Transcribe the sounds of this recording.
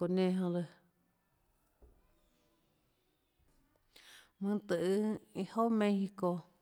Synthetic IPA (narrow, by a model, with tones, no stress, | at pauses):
o˨nẽ˧ɦõ˧lɨ˧ | mɨ̃˧t̪ɨ˧ʔɨ˧i˧ho˦mẽ˧˦hi˧ko˧